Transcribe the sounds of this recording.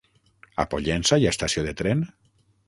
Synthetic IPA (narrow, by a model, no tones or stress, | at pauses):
a̰poʎɛnsaiast̪asioðet̪ɾen